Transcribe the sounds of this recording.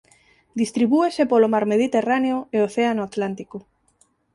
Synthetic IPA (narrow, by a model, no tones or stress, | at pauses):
d̪ist̪ɾiβ̞uesepolomaɾmeðit̪eraneoeoθeanoat̪lant̪iko